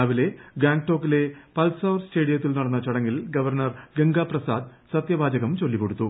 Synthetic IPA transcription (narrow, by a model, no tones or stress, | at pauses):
ɐʋile̞ɡaːŋɡ̚ʈo̞ːkːile̞pɐlsɐwrste̞ːɽijɐt̪̬ːilnɐɽɐnːɐt͡ɕɐɽɐŋːilɡɐʋɐrɳɐrɡeŋɡaːprɐsaːd̪sɐt̪jɐbaːd͡ʑɐɣɐmt͡ɕo̞lːikːo̞ɽut̪ːu